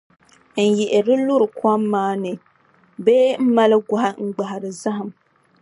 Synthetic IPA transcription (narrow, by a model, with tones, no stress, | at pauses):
n̩˨jɛ˨ʔɪ˨ɾɨ˦lʊ˦ɾɨ˨ka˦mːaː˦nɨ˨ | beː˦m̩˦ma˦lɨ˦ɡʷa˨ha˦ŋ̩˦ɡ͡ba˨ɦa˨ɾɨ˨za˦ɦa˨m